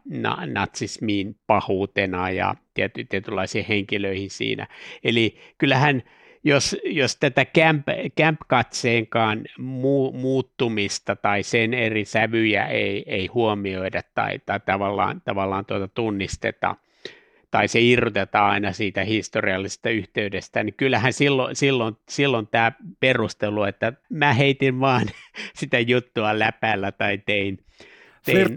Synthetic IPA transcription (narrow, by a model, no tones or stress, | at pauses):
nɑ̰nɑt̪sismiːnpɑhuːt̪enɑjɑ̰t̪iæt̪yt̪iet̪ylːɑisiːheŋkiløihinsḭːnæ̰eli | kylːæhæn | josjost̪æt̪ækæmpkæmpkɑt̪seːŋkɑːnmuːmuːt̪ːumist̪ɑt̪ɑisenerisæʋyjæ̰eieihuomioidɑt̪tɑ̰it̪ɑit̪ɑʋɑlːɑ̰ːnt̪ɑʋɑlːɑːnt̪uot̪ɑt̪unːist̪ḛt̪ɑ̰ | t̪ɑiseirut̪et̪ɑɑinɑsiːt̪æhist̪oriɑlːise̥st̪ɑyht̪eydest̪ænikylːæhænsilːo̰silːonsilːont̪æːperust̪eluet̪ːæmæheit̪iʋʋɑːnsit̪æjut̪ːuɑlæpælːæt̪ɑit̪ein | t̪ein